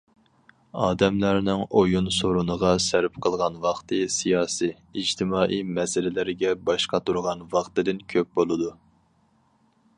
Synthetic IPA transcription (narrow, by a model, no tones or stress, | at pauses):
ɑːd̪ɛmlæɾnɪŋojunsoɾunəʁɑsæɾpqʰəlˠʁɑnwɑχt̪ʰɨsijɑːsiː | d͡ʒt̪ʰɪmɑːʔijmɛsɪlɪlɪɾɪɡʲɛbɑʃqɑt̪uɾʁɑnwɑχt̪ɨd̪ɪnkʲʰøp̚bolˠɨd̪u